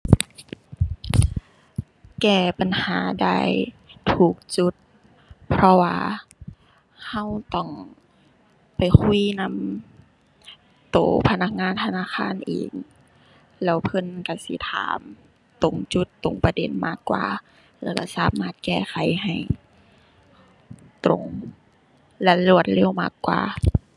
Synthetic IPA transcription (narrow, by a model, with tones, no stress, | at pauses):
kɛː˧˩pa˨˩nhaː˨˦da̰ː˧˩˨jt̪ʰuː˧˩k̚t͡ɕu˧˦t̪̚ | pʰɾɔ˧waː˧ | ha˧˨wt̪ɔ˧˩ŋ | pa˨˩jkʰu˧˥˨na˧˥˨m | t̪o̰ː˨˧˦pʰa˧na˧˩k̚ŋaː˧˥˨nt̪ʰa˧naː˧˥˨xʰaː˧˥˨nʔḛː˨˩ŋ | lɛː˧˩wpʰɤ˧˥˨nka˧˩sḭ˧˦t̪ʰa̰ː˨˦m | t̪o˨˩ŋt͡ɕu˧˦t̪ːo˨˩˦ŋpa˧de˨˦nmaː˧˩kːwa̰ː˧˦ | lɛː˧˩ka˧˩saː˨˦maː˧˥˩t̪̚kɛː˧˩xʰa˨˦jɦa˨˩j | t̪o˨˩˦ŋ | la˧lu˧˩ət̪̚leː˧˩˨wma̰ː˧˩kːwa̰ː˨˩